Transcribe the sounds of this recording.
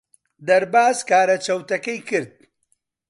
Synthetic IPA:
d̪ɐɾbaːzkaːɾɐt͡ʃɐwt̪ɐkɐjkɨɾd̪̚

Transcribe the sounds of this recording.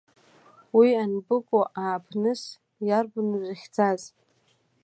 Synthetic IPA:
wianbɨkʷʼoʔaːpʰnɨs | jarɡʊnzaχʲd͡zaz

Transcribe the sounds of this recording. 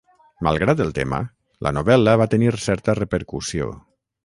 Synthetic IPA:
ma̰lˠɣɾat̪əlˠt̪ḛmə̰ | lʔə̰noβɛləβat̪əniɾsɛɾt̪ərəpəɾkusio̰

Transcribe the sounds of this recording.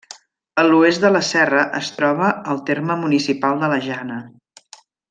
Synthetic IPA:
əluezd̪ələsɛrəʔəst̪ɾɔβəəlˠt̪erməmunisipalˠd̪ələʒanə

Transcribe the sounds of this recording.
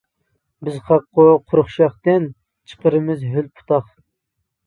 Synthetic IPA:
bɪzχɑqːoqʰʊɾʊχʃɑχt̪ɨn | t͡ʃʰə̥qəɾɨmɪzɦylpʰu̥t̪ʰɑχ

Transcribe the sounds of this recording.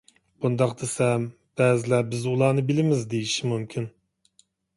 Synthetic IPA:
b̥und̪ɑqd̪esɛm | b̥ɛːzɪlæbɪzulˠɑːnɨbɪlɪmɪzd̪ejiʃimumkʲʰin

